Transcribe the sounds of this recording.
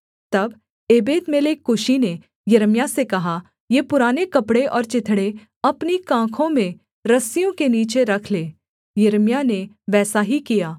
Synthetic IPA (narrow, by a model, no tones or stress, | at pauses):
t̪ɐb | eːbeːt̪meːlekːʊʃine | jɐɾmjasekɐɦa | jeːpʊɾaːnekɐpɽeʔɔːɾt͡ʃɪt̪ʰɽe | ɐpnikãːkʰõmẽ | ɾɐsijõkeniːt͡ʃeɾɐkʰleː | jɐɾmjane | ʋɛːsaɦikijaː